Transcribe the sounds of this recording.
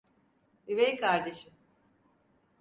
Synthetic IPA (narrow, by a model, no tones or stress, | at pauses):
yvejkʰaɾd̪e̞ʃɯm